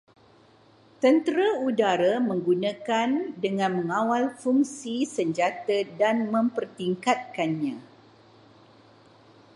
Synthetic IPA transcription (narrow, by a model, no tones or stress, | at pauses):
t̪ənt̪əɾaudaɾamə̃ŋɡunãkandəŋãnmə̃ŋãwalfuŋsisəɲd͡ʒat̪adanmə̃mpərt̪iŋkat̪̚kanɲã